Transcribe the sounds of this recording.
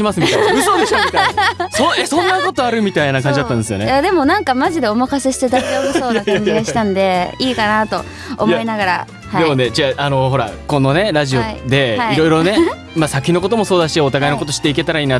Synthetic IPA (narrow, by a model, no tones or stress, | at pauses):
imasɨmit̪asoːd̪eɕt̪ksoesõ̞nːako̞t̪o̞aɾɯ̟mʲit̪ainak̬ãɲ̟d͡ʑid̪at̪ːãnd̪esɨjo̞̰nejad̪e̞mo̞nãŋkamaʑid̪e̞omakaseɕi̥t̪ed̪aomosso̞ːnakaɲ̟d͡ʑiɡaɕi̥t̪ãnd̪e̞iːkanat̪o̞ | o̰mjaenaɡaɾa̰ | hd̪emone̞d͡ʑiaʔano̞ɦo̞ɾa̰kõ̞nːone̞ɾaʑio̞id̪e̞aiɾo̞jɾo̞ne̞ | masakʲino̞ko̞t̪o̞mo̞so̞ːd̪aɕiot̪aɡaino̞ko̞t̪o̞ɕi̥t̪ːeike̞t̪aɾaiːna